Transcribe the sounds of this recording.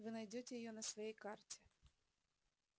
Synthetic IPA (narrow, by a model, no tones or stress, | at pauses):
vɨnɐjdʲotʲɪjɪjonəsvɐjejkartʲɪ̥